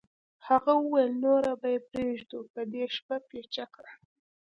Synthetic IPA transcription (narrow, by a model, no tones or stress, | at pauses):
haɣawəwajlnoɾabajepɾeʒd̪upəd̪eʃpapet͡ʃakɽa